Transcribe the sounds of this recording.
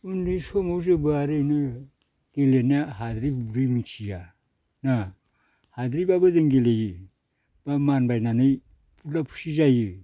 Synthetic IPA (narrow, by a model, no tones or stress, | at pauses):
undɯjsomozebɯaɾejnɯ | ɡ̥elenaɦadɾipbuɾimit͡ʃija | na | hadɾibabɯzeŋɡelejɯ | b̥amanbajnanɯj | pʰulapʰu̥sizajɯ